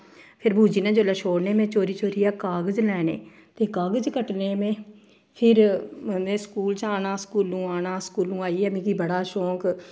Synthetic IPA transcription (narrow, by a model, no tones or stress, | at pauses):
pʰɪɾbʱuːd͡ʒiːnẽːd͡ʒoːlaːʃoːɽneːmɛ̃ːt͡ʃoːɾiːt͡ʃoːɾiːaːkaːɡəd͡ʒlɛːnḛː | t̪eːkaːɡəd͡ʒkəʈneːmẽː | pʰɪɾmẽːskuːlt͡ʃaːnaːskuːlũːaːnaːskuːlũːaːiːɛːmĩːkiːbəɽaːʃõːk